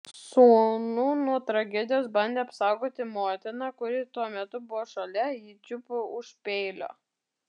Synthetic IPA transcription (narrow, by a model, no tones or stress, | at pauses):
suːnuːnuɔt̪ɾɐɡʲɛd̪ʲɪjoːsbɐnʲd̪ʲeːɐpsɑˑʊɡoːt̪ʲɪmoːt̪ʲɪnɑkʊɾʲɪt̪uɔmʲɛt̪ʊbʊʋoːʃɐlʲɛɪt͡ʃʲʊpʊʊʃpʲeɪlʲo̰ː